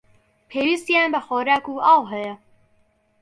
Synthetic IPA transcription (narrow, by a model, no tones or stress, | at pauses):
pʰeːwist̪jaːnbɐxoːɾaːkuːʔaːwɦɛjɐ